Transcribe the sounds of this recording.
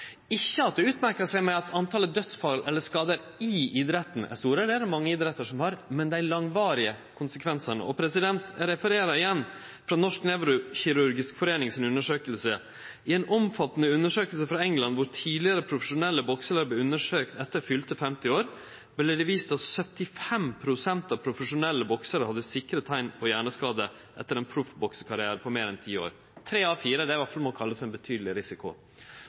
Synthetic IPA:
ɪçːəɑt̪̚d̪ɛʉːt̪mæɾkəʂæɪmɛɑt̪ʰɑnt̪ʰɑləd̪œt̪sfɑlʔɛlːəʂkɑːd̪əɾ | ɪɪd̪ɾɛt̪ːn̩æ̰st̪uːɾəd̪ɛæɾmɑŋːəid̪ɾɛt̪ːəʂɔmhɑɾmɛnd̪æɪlɑŋʋɑːɾɪə | kʰʊnsəkʰʋɛnsəɳə̰ʔɔpʰɾɛsɪd̪ɛnt̪æɾɛfəɾeːɾɑɪjɛnː | fɾɑnɔʂknɛʋɾʊçɪɾʉɾɡɪskfɔɾeːnɪŋsɪnʉnːəʂøːkəlsə | ɪɛnɔmfɑt̪ːnəʉnːəʂøːkəlsəfɾɑɛŋlɑnʋʊɾt̪ʰiːd̪ɪəɾəpʰɾʊfəʂʊnɛlːəbɔksələɾblɛʉnːəʂøːkt̪ɛt̪ːəɾfʏlt̪əfɛmt̪ɪoːɾ | blɛd̪ɛʋiːst̪ɑsœt̪ɪfɛmpʰɾʊsɛnt̪ɑpʰɾʊfəʂʊnɛlːəbɔksəɾəhɑd̪ːəsɪkɾət̪ʰæɪnpʰɔjæːɳəskɑːd̪ə | ʔɛt̪ːəɾɛnpʰɾʊfbɔksəkʰɑɾɪæːɾəpʰɔmeːɾɛnt̪ʰiːo̰ːɾ | t̪ʰɾeːɑːfiːɾəd̪ɛʋæʈfɑlmɔkʰɑlːəsæɪbət̪ʰyːd̪lɪɾɪsɪkʊ̰

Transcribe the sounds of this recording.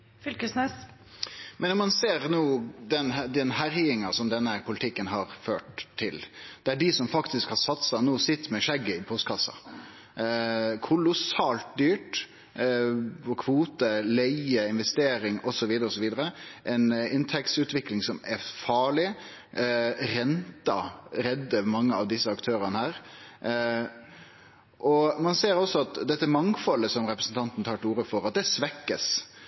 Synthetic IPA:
fʏlkəsnɛs | mʔɛnːɔmɑnseːɾnoːd̪ɛnd̪ɛnɦæɾjɪŋɑsɔmd̪ɛnːəpʰʊlɪt̪ʰɪkːənɦɑɾføːʈ̪ʰːɪld̪̥ɛæɖɪsɔmfɑkt̪ɪskhɑɾsɑt̪sɑnoːsɪt̪ːmɛʂɛɡːəɪpʰɔst̪kʰɑsːɑ̰ | kʰʊlʊsɑːlt̪̚d̪yːʈ | ɔkʰʋuːt̪əlæɪəɪnʋɛst̪eːɾɪŋɔsɔʋiːd̪əɾəɔsɔʋiːd̪əɾəʔɛɪnɪnt̪ʰɛkt̪sʉːt̪ʋɪklɪŋsɔmɛɾfɑːɭɪ | ɾɛnt̪ɑ̰ɾɛd̪ːəʋmɑŋːəɑʋd̪ɪsːəɑkt̪ʰøːɾənəhæːɾ | ʔɔmɑnseːɾɔsːɔɑt̪d̪ɛt̪ːəmɑŋfɔlːəsɔmɾɛpɾəsn̩t̪ɑnt̪n̩t̪ʰɑːʈuːɾəfɔɾɑt̪̚d̪ɛsʋɛkːəs

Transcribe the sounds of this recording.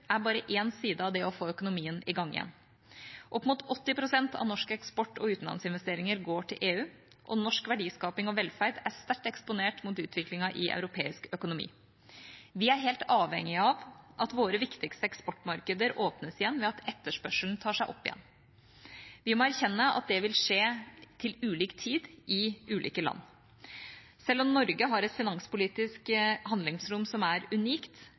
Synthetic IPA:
ʔæbɑːɾəʔeːnsiːd̪əɑʋd̪ɛɔfoːœkʊnʊmiːənɪɡɑŋːɪ̰jɛ̰nː | ʔɔpːmʊt̪ɔt̪ːɪpɾʊsɛnt̪ʰɑ̰ʋnɔʂkəɛkspɔʈːɔʉːt̪n̩lɑ̰nsɪnʋɛst̪eːɾɪŋəɾɡoːʈʰɪlʔeːʉː | ʔɔnɔʂkʋæɖiːskɑːpɪŋɔʋɛlfæɾd̪æɾst̪æʈːɛkspʊneːʈmʊt̪ʉːt̪ʰʋɪklɪŋɑʔɪʔɑ̰ʉɾʊpʰeːɪskœkʊnʊmḭː | ʋɪæɾɦeːlt̪ɑːʋhɛ̰ŋɪəɑʋʔɑt̪ʋoːɾəʋɪkt̪ɪkst̪əɛkspɔʈːmɑɾkəd̪əɾoːpnəsɪjɛnːʋɛɑt̪ɛt̪ːəʂpœʂlnt̪ʰɑːʂæɪʔɔ̰pːɪjɛ̰nː | ʋɪmɔːæɾçɛnːəʔɑ̰t̪̚d̪ɛʋɪlʂeːt̪ʰɪlʉːliːkt̪ʰiːd̪ʔɪʉːlḭːkəlɑ̰nː | sɛlːɔmnɔɾɡəɦɑɾɛt̪fɪnɑŋspʊliːt̪ɪskɦɑnd̪lɪŋsɾʊmsɔmæɾʉniːkt̪

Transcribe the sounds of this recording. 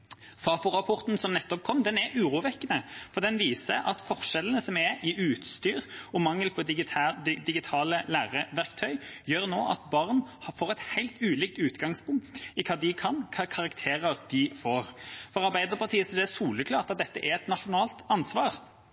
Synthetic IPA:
fɑfʊʁɑpʰɔʁt̪n̩sɔmnɛt̪ːɔp̚kʰɔmːd̪ɛnɛɾʔʉːʁuːʋɛkːənəfɔʁd̪ɛnʋiːsəʔɑt̪fɔʁʂɛlən̩əsɔmɛɪʔʉːt̪st̪yːʁɔmɑŋːəlpʰɔ | d̪ɪɡɪt̪ʰɑːləlæːʁəʋæʁkt̪ʰœʏjøːʁnoːʔɑ̰t̪̚bɑʁnhfoːʁɛt̪hæɪlt̪ʉːliːkt̪ʉːt̪ɡɑŋspʰʊŋkt̪ɪkʰɑːd̪ɪkʰɑnkʰɑkʰɑɾɑkt̪ʰeːʁəʁd̪̥ɪfoːʁfɔʁɑɾbæɪd̪əʁpʰɑʁt̪ʰiːəsɔd̪ɛɛsuːləkʰlɑːʁt̪ɑt̪̚d̪ɛt̪ːəʔɛɛt̪nɑʂʊnɑːlt̪ɑnsʋɑːʁ

